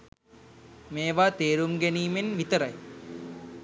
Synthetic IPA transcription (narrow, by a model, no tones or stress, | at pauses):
meːʋaːt̪eːɾumɡæniːmenʋit̪əɾɐj